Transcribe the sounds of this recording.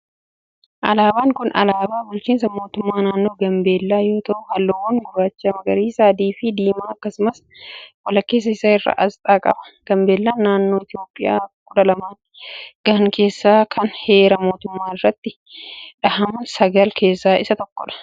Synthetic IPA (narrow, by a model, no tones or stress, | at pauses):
ʔɐ̰laːbaːŋkʊnʔɐ̰laːbaːbʊlt͡ʃiːnsɐmo̞ːt̪ʊmːaːnaːnːo̞ːɡɐmbe̞ːlːaːjo̞ːt̪ɐʔʊhɐlːowɐŋɡʊbaːt͡ʃːamɐɡɐɾiːsaːd̪iːfɪd̪iːmaːɐkːɐsʊmɐs | wɐlɐkːeːs̬ɐɪsɐɪrːa̰ːʔɐst̪ʼaːkʼɐ̰bɐ̥ɡ̥ɐmbe̞ːlːaːnnːaːnːoːɪt̪ɪjo̞ːpʼːɪja̰ːkʼʊᶑɐlɐmaːn | ɡ̥ɐŋke̞ːsːaːkʰɐnhe̞ːɾɐmo̞ːt̪ʊmːaːɪrːɐt̪ːɪ | ᶑɐhɐmɐnsɐɡɐlkʰe̞ːsːaːɪsɐt̪ɔkːɔᶑɐ̥